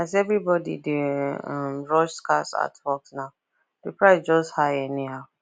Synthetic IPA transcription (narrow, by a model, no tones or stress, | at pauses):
azɛvɹibɔdḭdeãmɹɔʃskasa̰twɔksnaʊ | d̥əpɹaɪsd͡ʒɔsthajɛniɦaʊ